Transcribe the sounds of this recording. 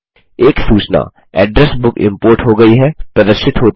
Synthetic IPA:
eːksuːt͡ʃna̰ː | ɛ̰ːɖɾɛsbʊkɪ̰̃mpoːɾʈɦoɡɐiɦɛpɾɐd̪əɾʃɪt̪ɦoːt̪

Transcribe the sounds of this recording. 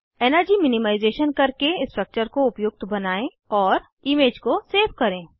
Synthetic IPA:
ɛːnəɾd͡ʒimɪnɪmaːɪzeːʃənkɐɾkeɪsʈɾək̚t͡ʃəɾkoʊpjʊɡ̚t̪bɐnaːẽ | ɔːɾ | ɪmeːd͡ʒkoseːfkɐɾẽː

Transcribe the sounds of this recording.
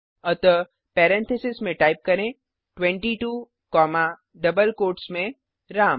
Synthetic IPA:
ət̪ə | pɛːɾɛ̃nt̪ʰesɪsmẽʈaːɪp̚kɐɾẽ | ʈwɛ̃ɳʈiʈuː | kɔːma | ɖɐbəlkoːʈsmẽ | ɾaːm

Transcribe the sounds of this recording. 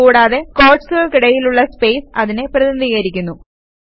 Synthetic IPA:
uːɽaːðe̞ko̞ːʈsuɣɐɭkiɽɐjiluɭːɐspe̞ːsɐðine̞prɐðnd̪iːɣɐɾikʲːunːu

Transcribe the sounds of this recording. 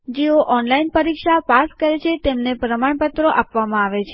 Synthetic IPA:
d͡ʒeoʔɔnlainpəɾikʃapaskəɾet͡ʃʰet̪emnepɾəmaɳpət̪ɾoʔapʋamãaʋet͡ʃʰe

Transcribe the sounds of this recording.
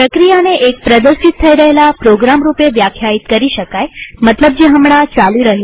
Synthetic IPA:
pɾəkɾijaneʔek̚pɾəd̪əɾʃit̪ʰːəiɾəɦelapɾoɡɾamɾupeʋjakʰjait̪kəɾiʃəkajmət̪ləb̚d͡ʒeɦəmɽ̃at͡ʃaliɾəɦe

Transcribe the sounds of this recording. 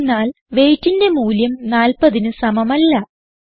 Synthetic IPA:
nːaːl | ʋe̞ːjtːinde̞muːljɐmnaːlpɐðinɨsɐmɐmɐlːɐ

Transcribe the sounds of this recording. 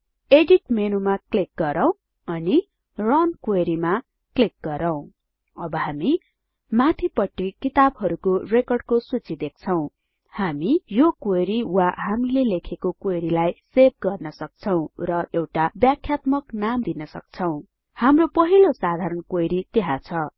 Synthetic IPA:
eɖiʈmenumaklik̚ɡʌɾʌw̃ | ʌni | rʌnkweɾima | klik̚ɡʌɾʌw̃ | ʌbʌhami | mat̪ʰipʌʈːikit̪abɦʌɾukorekʌrɖkosut͡sid̪ek̚ʰt͡sʰʌw̃ | hamijokeɾiwahamilelekʰekokweɾilajseb̚ɡʌrnʌsʌk̚t͡sʰʌw̃rʌʔewʈabjakʰjat̪mʌknamd̪inʌsʌ̰k̚t͡sʰʌw̃ | hamropʌɦilosad̪ʱaɾʌnkojɾit̪eɦãt͡sʰʌ

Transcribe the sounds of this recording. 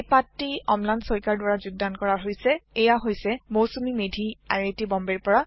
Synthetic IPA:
epatːiɔmlansɔjkaɹdwaɹazuɡ̚dankɔɹaɦojsɛejaɦojsɛmowsumimedʱia̰jetibɔmbɛɹpɔɹa

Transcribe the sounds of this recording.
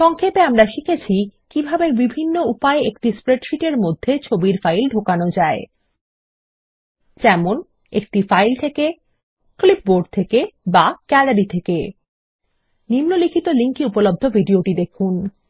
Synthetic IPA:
ʃɔŋkʰepeamɾaʃikʰet͡ɕʰikibʱabebibʱinːoupaeekʈispɾeʈʃiʈeɾmod̪ʱːet͡ɕʰobiɾfajlɖʱokanod͡ʑae | d͡ʑɛmon | ek̚ʈifajlt̪ʰeke | klip̚boɖ̚t̪ʰekebakɛlaɾit̪ʰeke | nimnolikʰit̪oliŋkiupolob̚d̪ʱobʱiɖioʈid̪ekʰun

